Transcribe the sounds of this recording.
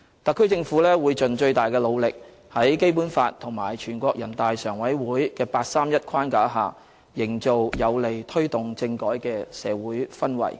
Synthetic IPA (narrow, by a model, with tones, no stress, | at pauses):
t̪ɐ˨kʰːɵ˥ɥt͡sɪ˧ŋfuː˨˥lɛː˥wuː˨˧jt͡ʃɵ˨nt͡ʃɵ˧ɥt̪aː˨˩jkɛː˧lo˨˧wlɪ˨k̚ | hɐ˨˥jke˥jpuː˨˥nfaː˧t̚t̪ʰːʊ˨˩ŋmaː˨˩jt͡ʃʰyː˨˩nkʷɔː˧k̚jɐ˨˩nt̪aː˨˧jsœː˨˩ŋwɐ˨˥jwuː˨˥jkɛː˧paː˧t̚saː˥mjɐ˥t̚kʰwaː˥nkaː˨˥ɦaː˨ | jɪ˨˩ŋt͡so˨wjɐ˨˧wle˨˩jt̪ʰɵ˥ɥt̪ʊ˨ŋt͡sɪ˧ŋkɔː˨˥jkɛː˧sɛː˨˧wuː˨˥jfɐ˥nwɐ̰˨˩j